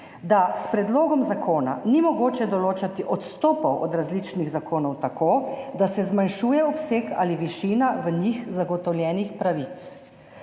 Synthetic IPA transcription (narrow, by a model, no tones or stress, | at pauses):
d̪aspɾɛd̪loːɡɔmzakʰoːna̰nimɔɡoːt͡ʃɛd̪ɔloːt͡ʃat̪iʔɔt̪st̪ɔːpɔwʔɔd̪ɾazlit͡ʃniɣzakoːnɔwt̪akoːd̪asɛzmanʃuːjɛɔpseːka̰liʋiʃiːnaʋəɲixzaɡɔt̪ɔwljɛːnixpɾaʋit̪s